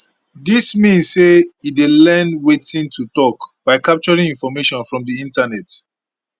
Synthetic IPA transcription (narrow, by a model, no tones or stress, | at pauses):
dismĩnsːeitwelɛnwetĩntʰutɔkb̥aɪkap̚t͡ʃɔɹĩŋĩnfɔmeʃɔ̃nfɹɔ̃mdiĩntanɛt